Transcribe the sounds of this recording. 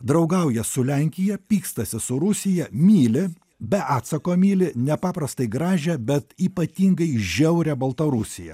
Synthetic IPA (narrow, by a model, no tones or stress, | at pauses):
d̪ɾɐʊɡɐʊjɛsʊlʲɛŋʲkʲɪjɛpʲiːkst̪ɐsʲɪsʊɾʊsʲɪjɛmʲiːlʲɪ | bʲɛʔɑːt̪sɐkoːmʲiːlʲɪnʲɛpɑːpɾɐst̪ɐɪɡɾɑːʒʲɛbʲɛt̪iːpɐt̪ʲiːŋɡɐɪʒʲɛʊɾʲɛbɐlˠt̪ɐɾʊsʲɪjɛ̰